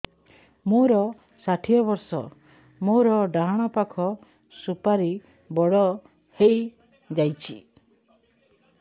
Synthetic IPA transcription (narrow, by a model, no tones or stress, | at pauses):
moɾɔ | saʈʰijɔbɔɾsɔ | moɾɔɖaɦaɽ̃ɔpakʰɔ | supaɾi | bɔɽɔ | hej | d͡ʒajt͡ʃʰi